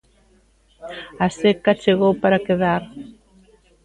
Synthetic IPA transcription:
asekat͡ʃeɣowpaɾakeðaɾ

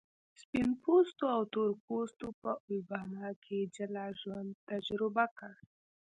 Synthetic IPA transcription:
spinpust̪oawt̪oɾkost̪opəwibɑːnakʰed͡ʒalaʒwand̪̚t̪ad͡ʒɾɪbakaɽ

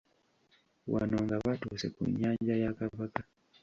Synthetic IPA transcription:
wa̰noŋɡaβatuːse̞̰kṵɲːaːɲɟajakaβaka

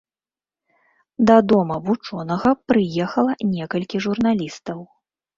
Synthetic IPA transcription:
d̪ɐd̪ɔmɐvut͡ʂɔnɐɣɐpɾɨjɛxɐlˠɐnʲɛkɐlʲkʲiʐurn̪alʲist̪ɐw

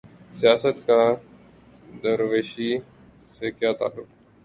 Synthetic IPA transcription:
sɪjaːsət̪ka | d̪əɾʋeːʃiː | sekjaːt̪a̰ːlːʊk

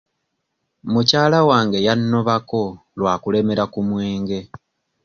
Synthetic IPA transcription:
mucaːlawaːŋɡe̞janːoβako̞ | lwaːkule̞me̞ɾakumwe̞ːŋɡe̞

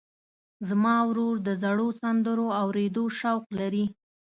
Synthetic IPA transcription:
zmɑwɾoɾd̪əzaɽosand̪əɾoawɾed̪oʃawqlaɾi

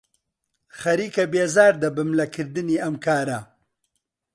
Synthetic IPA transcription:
xaɾikabezɑːɾd̪əbamlakiɾd̪əniamkaːɾa

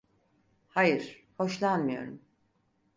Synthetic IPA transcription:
hajɯɾ̥ | ho̞ʃlˠanmɯjo̞̰ɾum

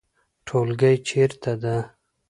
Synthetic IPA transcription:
ʈʰolɡʲajt͡ʃʰeɾt̪ʰad̪a

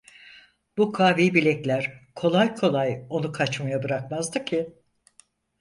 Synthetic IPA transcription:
b̥ukʰaːviːbilʲɛclʲæɾ̥kʰo̞lˠajkʰo̞lˠajo̞nukʰat͡ʃmajabɯɾakmazd̪ɯcʰɪ

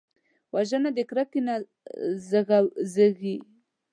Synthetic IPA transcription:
waʒənad̪əkɾakina | zəɣazəɣi

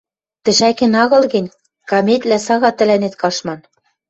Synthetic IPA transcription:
t̪ɘ̆ʃækɘ̆nɑɣɤ̆lɣɘ̆nʲ | kɑmet̪ʲlæsɑɣɑt̪ɘ̆lænet̪kɑʃmɑn

